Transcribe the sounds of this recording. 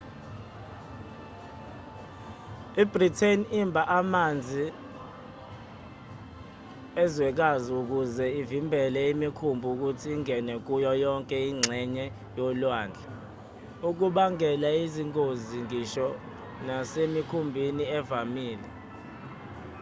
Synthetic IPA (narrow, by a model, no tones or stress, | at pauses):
ibritʰenimbʱaʔamand͡zʱi | ɛzwɛk̬aziuk̬uzɛivimbʱɛlɛimikʰumbʱuk̬utʰiːŋɛnɛk̬ujɔjɔŋkʼɛiŋ͡ǀʱɛɲɛ | jɔlwaːnd͡ɮʱa | uk̬uɓaŋɛlaiziŋkʼoziŋiʃɔ | nasemikʰumbʱiniɛvamiːlɛ